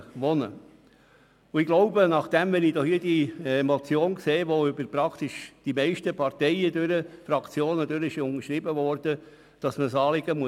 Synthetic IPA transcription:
ʋɔnə̰ | ʊɪɡ̥loʊbənɑχd̥ɛmʋɛnid̥̪ɔhiədimɔt͡sjoːnkseːʋoʏbəɾpɾɑkt̪ɪʃd̥imɛɪʃtəpʰɑɾtɛɪəd̪øɾəfɾɑkt͡sjoːnəd̪øɾəɪʃʊnəɾʃɾɪbəvɔɾd̥ə | d̥ɑsməsɑːlɪɡ̥əmuə

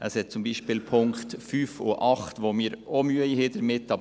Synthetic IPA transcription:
əshɛt̚t͡sʊmbiːʃpɪːlpʰʊŋktfyːfo̰ʔɑχtʋomiːɾomyəihedəɾmɪtːɑb

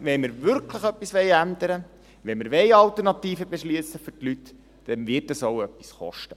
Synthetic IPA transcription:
ʋɛnməɾʋʏɾkʰləχœpːisʋɛɪænd̪əɾə | ʋɛnməɾʋɛjɑlt̪əɾnɑt̪iːfəbeʃliəsəfʏrtlyt | d̥ɛnʋɪt̚əsoʊœpːi̥sχɔ̰ʃtə

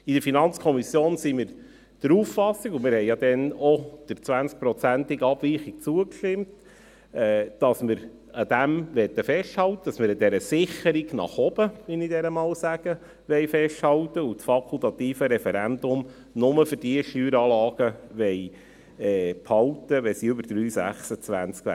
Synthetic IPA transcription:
id̥əɾfinɑnt͡skʰɔmisjoːnsimɪɾ | d̥əɾuːffɑsiɡumɪɾhɛjjɑd̪ɛnɔd̥əɾt͡sʋænt͡sk̚pɾɔt͡sænt̪ɪɡɑb̥ʋiːχɪk̚t͡suəkʃtɪmt | ɛːd̥ɑsməɾ | əd̪æmʋɛt̪ːəfɛʃthɑlt̪ːəd̥ɑsməɾəd̪ɛɾəsɪχəɾiɡnɑ̰χɔb̥əʋɪnid̪ɛɾəmɑːwsæɡ̥ə | ʋɛɪfɛʃthɑlt̪ːəutfɑkʰult̪ɑt̪iːfəɾɛfɛɾænd̪ʊm | nʊməfɨɾd̥iəʃyːɾɑːlɑːɡ̥əʋɛɪ | ɛːphɑlt̪əʋɛsiʏbəɾd̥ɾyːsæ̰χsət͡sʋæ̰nt͡skæ̰

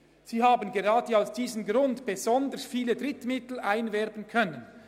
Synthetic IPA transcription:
z̥iːhaːbənɡeʁɑːdəaʊsd̥iːzəmɡɾʊndb̥ezɔndəsfiːlədʁɪtmɪtl̩ʔaɪnvɛɾbənkʰœnən

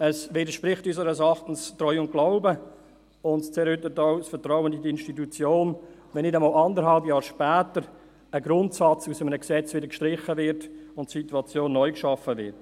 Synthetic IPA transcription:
əsviːdəɾʃpɾɪχtysəɾəsɑχtən̩stɾɔʏʊnt̚ɡ̥laʊbə | ʊntt͡sɛːɾhʏtːətaʊsfətɾɔʊwəndidɪnʃtitut͡sjoːnvɛnːɪdəmɔːlɑndəɾɦhɑlbjɑːɾʃpɛːtəɾ | əɡɾʊntsɑt͡susəmənəksɛt͡svɪdəɾkʃtɾɪχəvɪɾtʊntsituɑt͡sjoːnːɔʏkʃɑfəvɪ̰ɾt

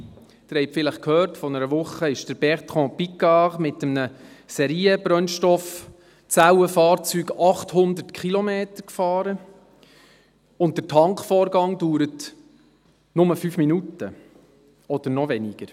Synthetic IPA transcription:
d̪̥əɾhɛjpfɪləχkʰøːɾtfɔnəɾəvʊχːəɪʃd̥əɾb̥ɛʁt̪χɔ̃ːpikːɑʁmɪt̪əmnəsɛɾiːəbɾœnʃtɔf | t͡sawəfɑːrt͡syːɡɑχthʊnd̪ərtkʰχilɔmeːtəɾkfɑːɾə | ʊnt̚d̥əɾtʰɑŋkfɔːɾɡɑŋduːɾət | nʊməfyːfminutə | ɔd̥əɾnɔvɛniɡ̥əɾ

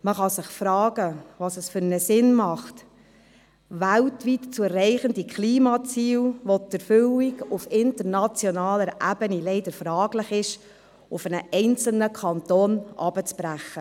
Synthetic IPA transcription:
məχɑsɪχfɾɑːɡ̥əʋɑsəsfʏɾnəsɪnmɑχt | ʋæltʋitt͡suɛɾːɛɪχəndikχliːmɑt͡siːlʋɔt̪əɾfʏwikufɪntəɾnɑt͡sjɔnɑːləɾʔæbənilɛɪd̪əɾfɾɑːɡlɪχɪʃ | ʊfənəʔɛɪnt͡sl̩nəkʰɑnt̪oːnʔɑ̰b̥ət͡spɾæχːə

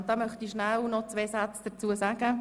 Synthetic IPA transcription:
nd̥ɑːmœχtiʃnaælnɔt͡sveːsat͡sd̥ət͡suːəsaːɡə

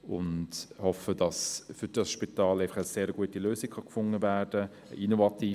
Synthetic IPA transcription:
ʊnthɔfədɑsfʏɾd̥ɑsʃpitɑːleɪɑχəseːɾəɡ̥uətiløːsɪkχɑkfʊŋːəvæːrd̥ə | əʔinovɑtiː

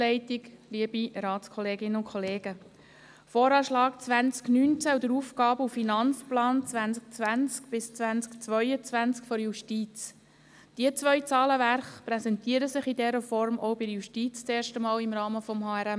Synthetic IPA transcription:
ɛɪtɪɡliəbiɾɑːt͡sskʰɔleːɡɪnəʊnkʰχɔleːɡ̥ə | fɔːɾɑːʃlɑːk̚t͡sʋænt͡sknyːnt͡sæud̪əɾuːfɡɑːbəufinɑnt͡splɑːnt͡sʋænsk̚t͡sʋænt͡skb̥ɪst͡sʋænt͡skt͡sʋœʏət͡svʋænt͡skfɔɾjuʃtiːt͡s | d̥iət͡sʋœʏt͡sɑːləvæɾχpɾɛsɛntiːəɾəsɪχidɛɾəfɔɾmʔɔʊbɪjuʃtiːt͡st͡seːɾʃtəmɑːlɪmɾɑːməfɔmhɑːæɾɛ

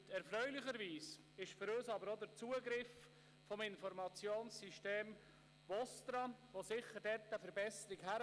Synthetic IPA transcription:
ɛɾfɾœʏlɪχəɾviːs | ɪʃfʏɾøːsɑbəɾod̪əɾt͡suːəɡɾɪf | fɔmɪnfɔɾmɑt͡sjoːnsːiʃteːm | ʋɔst̪ɾɑʋosɪχːəɾdɛtːəfəɾbɛsəɾɪɡhæɾ

